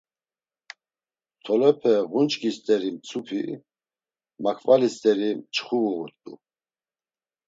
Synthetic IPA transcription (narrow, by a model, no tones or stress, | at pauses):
t̪ʰɔlɛpʰɛʁunt͡ʃʼkʰʼist̪ʼɛɾimt͡sʰupʰi | makʰvalist̪ʼɛɾimt͡ʃʰʼχuɣut̪ʼṵ